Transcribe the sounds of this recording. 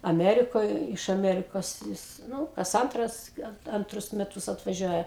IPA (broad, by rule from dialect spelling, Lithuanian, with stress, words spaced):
ɐˈmʲæːrʲɪkoːj ɪʃ ɐˈmʲæːrʲɪkoːs ˈjɪs ˈnuː kɐs ˈɐntrɐs ˈɡɐlˠ ɐnˈtrʊs mʲɛˈtʊs ɐtʋɐˈʒʲuɔjɛ